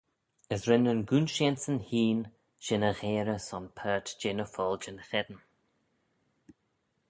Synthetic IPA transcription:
əsɾɪnənɡuːnʃensənhiːn | ʃɪnəɣeːɾəsɔnpʰɜːtd͡ʒɪnəfɔːld͡ʒɪnxɛd̪ən

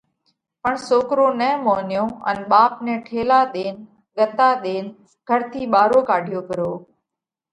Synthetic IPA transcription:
pəɳsoːkɾoːnɛ̃ːmoːnjõːə̰nɓaːp̚nɛ̃ːʈʰeːlaːɗ̪eːn | ɠət̪aːɗ̪eːn | ɡ̥ʱəɾt̪ʰiːɓaːɾoːkaːɖʱijoːkəɾoː

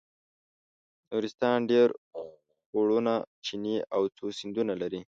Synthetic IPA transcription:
noɾɪst̪ɑnɖeɾ | xoɽunat͡ʃiniawt͡sosind̪unalaɾi

